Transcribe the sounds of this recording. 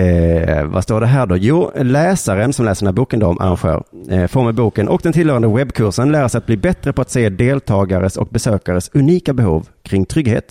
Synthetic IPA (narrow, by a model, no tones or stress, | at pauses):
ɛva̰st̪oːɖɛɦæːɖɔjuːlɛːsaɾənsɔmlɛːsədɖɛnæːbuːkənd̪ɔɔmʔa̰ɾa̰nɧø̰ːɾfɔɾmɛbuːkənʔɔ̰k̚d̪ɛnt̪ʰɪlːœːɾand̪əwɛbːkʰɵɾʂənlæːɾasɛjat̪̚bliːbɛt̪ɾəpʰɔat̪seːd̪eːlt̪ʰɑːɡaɾəsɔ̰k̚bɛsøːkaɾəsɵniːkabɛhuːvkʰɾɪŋt̪ʰɾʏɡhḛːt̪